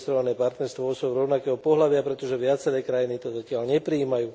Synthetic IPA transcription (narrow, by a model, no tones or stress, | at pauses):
st̪ɾɔʋanɛːpaɾt̪nɛɾst̪ʋɔɔsɔɾɔʊnakɛːɦɔpɔɦlaʋɪapɾɛt̪ɔʒɛʋɪat͡sɛɾɛːkɾajinit̪ɔzacɪaʎɲɛpɾiiːmajuː